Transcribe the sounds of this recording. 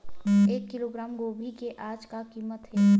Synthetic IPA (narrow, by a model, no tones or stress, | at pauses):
eːkːɪloɡɾaːmɡoːbʱikeʔaːd͡ʒkakiːmət̪ɦɛː